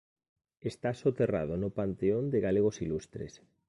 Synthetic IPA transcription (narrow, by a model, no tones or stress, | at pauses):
est̪asot̪era̰ðʊnʊpant̪eond̪ɪɣaleɣ̞osilust̪ɾḛs